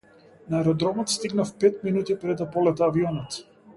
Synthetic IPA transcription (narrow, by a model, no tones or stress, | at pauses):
naɛɾɔd̪ɾɔmɔt̪st̪iɡnafpɛt̪minut̪ipɾɛd̪apɔlɛt̪aːviɔnɔt̪